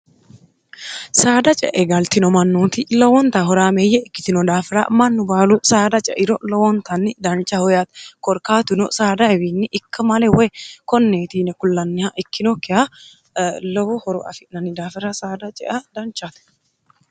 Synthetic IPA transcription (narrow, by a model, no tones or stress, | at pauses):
saːd̪ɐt͡ʃʼɛ̰ʔɛɡɐlt̪ɪnɔmɐnːuːt̪ɪlɔwɔnt̪aɦɔɾaːmeːjɛɪkːɪ̥t̪ɪnɔd̪aːfɪɾɐ̰mɐnːʊbaːlʊsaːd̪ɐt͡ʃʼɛ̰ʔɪɾɔlɔwɔnt̪ɐnːɪd̪ɐnt͡ʃʼːɐhɔjat̪kɔɾkaːt̪ʊnɔsaːd̪ɐɛwinːɪʔɪkːɐmɐlɛwɔjkɔnːeːt̪iːnɛkʊlːɐnːɪhaʔɪkːɪnɔkːɪha | lɔwɔhɔɾɔ̰ʔɐ̰fɪʔnɐnːɪd̪aːfɪɾɐsaːd̪ɐt͡ʃʼɛ̰ʔɐd̪ɐnt͡ʃːat̪